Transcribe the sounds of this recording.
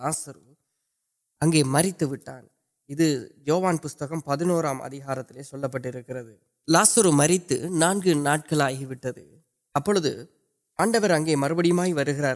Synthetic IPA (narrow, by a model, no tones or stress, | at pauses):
aːsɐɾu | ɐŋɡeːmɐrɪt̪ːɯʋɪʈːa̰ːn | ɪðɯjoːʋaːnpʊst̪ɐɣɐmpɐðɪnoːɾaːmʔɐ̰ðɪɣaːɾɐt̪ːɪleːsɔlːɐpːɐʈːɪɾɯkːɪrɐðɯ | laːsɐɾumɐɾɪt̪ːɯ̰naːnɡɯnaːʈ̚kɐɭaːɣiʋɪʈːɐðɯ̰ | ɐpːɔɭɯðɯ̰ | aːɳɖɐʋɐɾɐŋɡeːmɐɾɯbɐɽɪjɯmaːɣiʋɐɾɯɣɪɾaːɾ